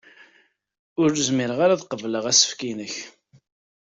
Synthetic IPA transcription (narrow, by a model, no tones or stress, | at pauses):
ʊɾəzmɪɾəʁaɾaðqəvləʁæsə̥fkinəç